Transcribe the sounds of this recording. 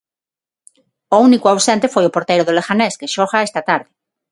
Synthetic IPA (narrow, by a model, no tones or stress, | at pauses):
ounikuawsent̪efojopoɾt̪ejɾoðolexaneskeʃoɣaest̪at̪aɾðe